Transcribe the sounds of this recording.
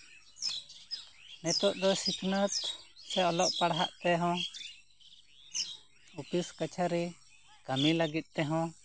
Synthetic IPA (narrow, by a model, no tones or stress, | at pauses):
nɛt̪ɔʔd̪ɔsikʰnət̪t͡ʃʰaɔlɔʔpaɽɦa̰ʔt̪ɛɦɔ̃ | upiskat͡ʃʰaɾi | kamiləɡit̪̚ˀt̪ɛɦɔ̃